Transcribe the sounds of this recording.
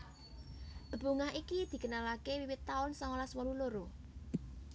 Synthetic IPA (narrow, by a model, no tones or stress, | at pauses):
d̥əbṳŋaɦikid̪̥i̤kənalakewiwɪt̪ːaʊnsɔŋolaswɔluloɾo